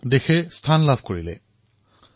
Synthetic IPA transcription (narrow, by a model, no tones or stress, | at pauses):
dexɛstʰanlabʱkoɹilɛ̰